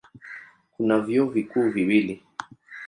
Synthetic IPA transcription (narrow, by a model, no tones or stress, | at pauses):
kunavjɔvikuːviwili